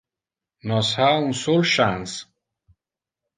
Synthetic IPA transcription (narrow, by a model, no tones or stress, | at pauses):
nɔshaũnsolʃãns